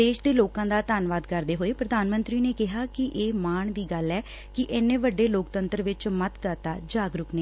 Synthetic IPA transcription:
eːʃd̪eːloːkãːd̪aːt̪aːnʋaːd̪kəɾd̪eːɦoːeːpɾəd̪aːnmənt̪ɾiːneːkɪɦaːkɪʔeːmaːɳd̪iːɡəlɛː | kɪʔɪnːẽːʋəɖːeːloːkt̪ənt̪əɾʋɪt͡ʃmət̪d̪at̪aːd͡ʒaːɡɾʊkneː

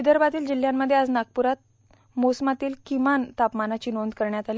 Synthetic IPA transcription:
id̪əɾbat̪iːld͡ʑil̤jamːəd̪ʱːjead͡znaɡ̚puɾat̪̚ | mosmat̪iːlkimant̪apmanat͡ɕiːnond̪kəɾɳjat̪ali

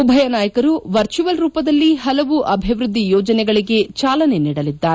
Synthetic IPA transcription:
ubʱɐjɐnaːjɐkɐɾuʋɐɾt͡ʃuʋɐlɾuːpɐd̪ɐlːiɦɐlɐʋuʔɐbʱiʋɾud̪ʱːijɔːd͡ʒɐnɛɡɐɭiɡe̞t͡ʃaːlɐne̞niːɽɐlid̪ːaːɾe

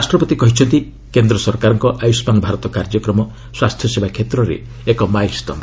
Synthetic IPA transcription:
asʈɾɔpɔt̪ikɔɦit͡ʃʰɔnt̪i | kend̪ɾɔsɔɾkaɾɔŋkɔʔajusmanɔbʱaɾɔt̪ɔkaɾd͡ʒɔkɾɔmɔ | swast̪ʰjɔsebʱakʰet̪ɾɔɾḛ | ekɔmajst̪ɔma

